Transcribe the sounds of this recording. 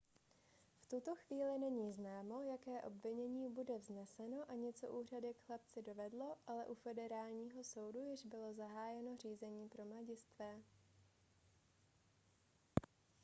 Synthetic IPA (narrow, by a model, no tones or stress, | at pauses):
ft̪ut̪o̞xviːlɪnɛɲiːznaːmo̞jakɛːʔo̞̰bvɪɲɛɲiːbudɛvznɛsɛno̞ʔaɲɛt͡so̞̰ʔuːr̝adɪkxlap̚t͡sɪdo̞vɛdlo̞ʔalɛʔufɛdɛɾaːlɲiːɦo̞so̞wdujɪʒbɪlo̞zaɦaːjɛno̞r̝iːzɛɲiːpɾo̞mlaɟɪst̪vɛː